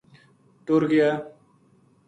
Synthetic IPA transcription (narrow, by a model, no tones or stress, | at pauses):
t̪uɾɡija